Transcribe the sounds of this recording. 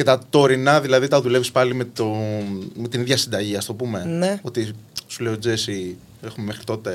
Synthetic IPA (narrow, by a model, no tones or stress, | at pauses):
ce̞t̪ɐt̪o̞ɾinɐðilɐðit̪ɐðulevispɐlimet̪ome̞t̪iniðʝɐsind̪ɐʝiɐst̪o̞pume̞neo̞t̪isule̞iod͡ze̞si | exumeme̞xɾit̪o̞t̪e̞